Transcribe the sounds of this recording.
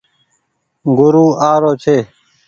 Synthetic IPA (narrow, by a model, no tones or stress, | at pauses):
ɡʊɾuːaːɾoːt͡ʃʰeː